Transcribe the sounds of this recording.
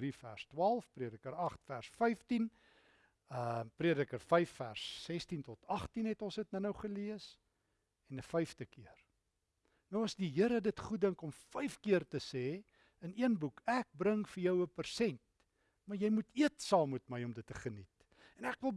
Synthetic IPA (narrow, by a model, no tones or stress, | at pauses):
rifæ̰rstwɑːlˠfpriədəkəɾɐχtfærsfɐjftin | əpriədəkərfɐjfːæ̰rsːɛstintɔtɐχtinɦɛtɔlsətnənəwχəliəs | ɛnəfɐjftəkʰiər | nəwɐsdiɦiəɾədətχut̚dəŋkɔmfəjfkiərtəsɛː | əniənbukʰæk̚bɾəŋfəjœwəpərsɛnt̚ | mɐrjɛjmutiətsɑːmutməjɔmdətːəχənit | ɛnækvəlˠ